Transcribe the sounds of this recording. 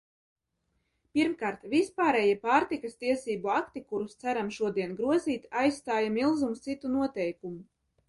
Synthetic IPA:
piɾmkaːɾt̪vispaːɾɛjiɛpaːɾt̪ikast̪iɛsiːbuakt̪ikuɾust̪sæɾamʃuɔd̪iɛnɡɾuɔziːt̪ajsːt̪aːjamilˠzumst̪sit̪unuɔt̪ɛjkumu

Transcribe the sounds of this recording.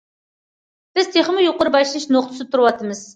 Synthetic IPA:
b̥ɪz̥t̪ʰeχɨmɨjoqʊɾbɑjlɨnɨʃnoq̚t̪ʰɨ̥st̪ʰuɾɨwɑt̪ʰɨmɨz̥

